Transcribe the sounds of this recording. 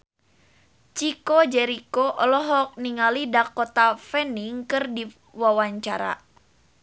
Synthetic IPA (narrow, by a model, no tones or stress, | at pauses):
t͡ʃikod͡ʒɛɾikoʔɔlɔɦɔk̚niŋalidakːɔt̪afɛniŋkɨrdi | wawaɲt͡ʃaɾa̰